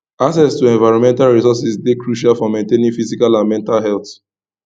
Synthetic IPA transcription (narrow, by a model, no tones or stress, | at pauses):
as̬ɛstuɛ̃nvaɪɹɔ̃nmɛ̃ntalɹisɔsisdekɹuʃalfɔmẽntenĩŋfisikalãnmɛ̃ntalɦɛlt